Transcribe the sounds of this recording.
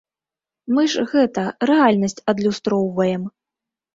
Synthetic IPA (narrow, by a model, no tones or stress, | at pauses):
mɨʐɣɛt̪ɐɾɛalʲnɐsʲt͡sʲɐd̪lʲust̪ɾɔwvɐjɛm